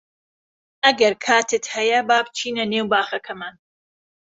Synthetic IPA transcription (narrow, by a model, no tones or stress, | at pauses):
ʔɐɡɐɾkʰaːt̪ɨt̪hɐjɐbaːbt͡ʃʰiːnɐnewbaːχɐkʰɐmaːn